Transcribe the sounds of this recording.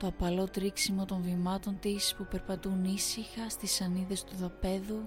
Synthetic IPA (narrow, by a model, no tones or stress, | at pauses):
t̪oɐpɐlo̞t̪ɾiksimo̞t̪o̞ɱvimɐt̪o̞nt̪ispupe̞ɾpɐt̪unisixɐst̪isɐniðe̞st̪uðɐpe̞ðu